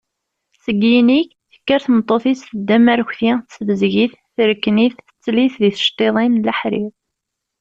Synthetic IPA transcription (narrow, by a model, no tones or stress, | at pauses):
səɡiniç | θə̥kːəɾθmət̪ˤːoθisθəd̪ːæmæɾçθiθsvəzʝiθ | θəɾəkːniθət͡sːliθðiθə̥ʃt̪ˤeðˤinləħɾḭð